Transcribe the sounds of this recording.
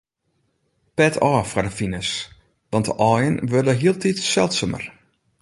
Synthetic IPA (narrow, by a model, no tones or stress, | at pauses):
pɛtʰɔːfadəfinəs | ʋɑntə̰ʔɔjənʋørdəɦiəlˠtitsɛlˠtsəmə̰r